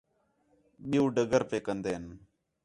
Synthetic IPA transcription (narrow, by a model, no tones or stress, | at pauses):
ɓiũːɖəɡəɾpeːkənd̪eːən